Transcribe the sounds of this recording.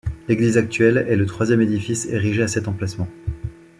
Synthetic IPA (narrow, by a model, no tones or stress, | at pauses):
leɡlizak̚t̪ɥɛlɛlət̪χwazjɛmed̪ifiseʁiʒeasɛt̪ɑ̃plasmɑ̃